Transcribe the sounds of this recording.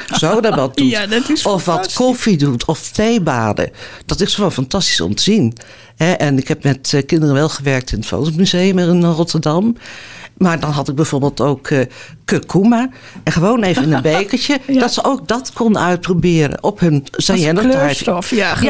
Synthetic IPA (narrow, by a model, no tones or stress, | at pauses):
zodɔtʋɔt̚duɔfʋɑtkʰofidutʰɔftejbaːdə̰d̥ɔtɪsχəʋoːnfɑntɑsti̥sɔ̰mtəzin | hɛʔɛnɪkhɛp̚mɛtkɪndərənʋɛlˠχəʋɛɹk̚tɪnətfo̰wtomyzejəmɪnrɔtəɹdɑm | maːɹdɑnɦɑtɪɡ̚bɛjvoːɹbeːlˠtowkʰː | økʰuma | ɛχəʋownejvənɪnənbejkəɹtəd̥ɔtsəʔowk̚dɑtkʰɔndənœɥt̚probɪːəɾə̰nʔɔphɵnzaɛnəajt